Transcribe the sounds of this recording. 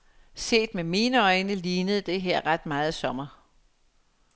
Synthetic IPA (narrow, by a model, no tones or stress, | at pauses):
se̝̰ːd̥memiːnəɒ̽ɪnəliːnəð̞̩ˠd̥e̝ɦeɐ̰ʁad̥mɑ̈ːð̞̩ˠsɒ̽mɐ